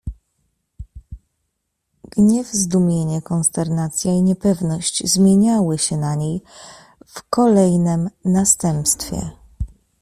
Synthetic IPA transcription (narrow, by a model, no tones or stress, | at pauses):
ɡ̥ɲɛvzd̪umʲjeɲɛkɔnst̪ɛɾnat̪sʲjaiɲɛpɛvnɔɕt͡ɕzmʲjeɲawɘɕɛnaɲej | fkɔlɛjnɛmnast̪ɛmpst̪fʲjɛ̰